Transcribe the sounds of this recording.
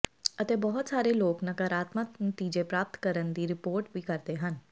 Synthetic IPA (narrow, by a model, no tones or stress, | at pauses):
ət̪ebɔɦʊt̪saːɾeloːknɐkəɾaːt̪məknət̪iːd͡ʒepɾaːp̚t̪kəɾənd̪iɾɪpoːɾʈbʱikɐɾt̪eɦən